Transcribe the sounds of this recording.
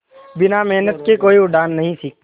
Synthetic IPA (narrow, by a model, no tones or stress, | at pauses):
bɪnamɛɦnət̪kekoːiʊɖaːnːɐɦĩsiːk̪̚ː